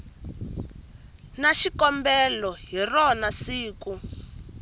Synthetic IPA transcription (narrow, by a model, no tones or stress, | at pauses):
naʃikɔmbɛlɔɦirɔnasiːku